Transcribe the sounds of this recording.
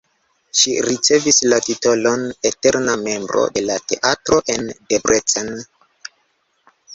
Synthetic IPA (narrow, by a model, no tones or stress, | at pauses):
ʃiɾit͡se̞vislatito̞lo̞ne̞te̞ɾname̞mbɾo̞̰de̞late̞ʔatɾo̞ʔe̞ndebɾet͡sen